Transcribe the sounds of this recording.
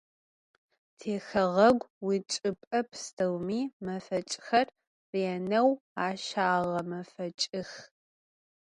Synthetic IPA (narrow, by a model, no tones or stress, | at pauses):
tʰeːxɐʁɐɡʷwit͡ʃʼɨpʼɐpʰstʰɐwmiːmɐfɐt͡ʃʼxɐr | reɛnɐwaːʃaːʁɐmɐfɐt͡ʃʼɪx